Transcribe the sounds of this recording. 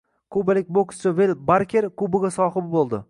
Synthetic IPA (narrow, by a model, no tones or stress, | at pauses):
kʰʊbalɪkʲbokst͡ʃavelbaɾkʲʰeɾkʊbɪɡʲasɒχɨbɪbolˠd̪ɪ